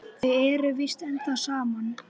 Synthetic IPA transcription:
θɪðɛːɾʏvist̪ɛnt̪asaːman

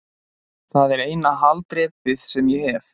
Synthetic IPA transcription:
θaðɛɾeːjnaɦalt̪ɾɛːpvɪðsɛmjɛhɛɾ

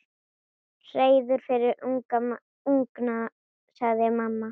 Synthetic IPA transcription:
r̥eːjðʏɾ̥fɪɾɪɾuŋka | uŋkna | saɣðɪamamːa

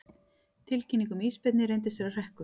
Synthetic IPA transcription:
t̪ʰɪlcinːiŋkʏmiːspɛt̪nɪɾejnt̪ɪseɾar̥ɛhkʏ

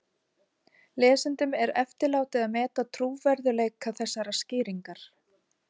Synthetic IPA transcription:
lɛːsɪnt̪ʏmɛɾɛft̪ɪɾlaːwt̪ɪðaðmɛːt̪at̪ʰɾuːvɛɾðʏleːjkʰːaθɛsːaɾascɪːɾiŋkaɾ̥

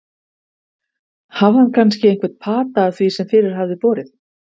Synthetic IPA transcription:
havhankʰanscɪejŋkvɛt̪̚pʰaːt̪aːθvisɛmfɪːɾɪɾ̥ɦavðɪpɔːɾɪθ

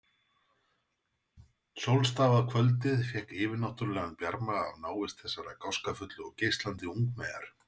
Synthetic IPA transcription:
sowlst̪aːvaðkʰvœlt̪ɪðfjɛhkɪːvɪɾnaht̪ʏɾlɛɣanpjaɾmaavnaːwɪst̪θɛsːaɾakawskafʏt̪lʏɔɣcejst̪lant̪ɪuŋkmeːjða̰ɾ̥

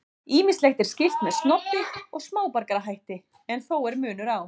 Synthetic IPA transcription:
iːmɪnslɛxt̪ɛɾ̥scɪft̪mɛðst̪nɔt̪ːɪɔɣsmaːwpaɾkaɾaɦajht̪ɪ | ɛnθoːwɛɾmʏːn̪ʏɾaw

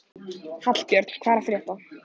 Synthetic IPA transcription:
hat̪l̥cɛɾt̪skʰvaːɾafɾjɛht̪a

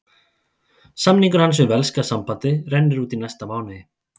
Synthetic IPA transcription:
samniɡɾans̬eβɛlskasampat̪eɾɛnːeɾut̪inast̪aβawne

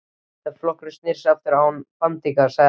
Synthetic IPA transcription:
aflɔhkɾʏst̪nɪɾ̥saft̪ɪɾaːwnfamt̪ikasa

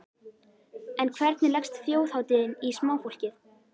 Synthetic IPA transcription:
ɛnkʰvɛɾt̪nɪlɛkxst̪θjoːwθawt̪ɪðɪnismaːwfowl̥cɪθ

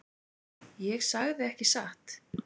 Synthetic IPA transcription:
jɛɣsaɣðɪɛhcɪsaht̪

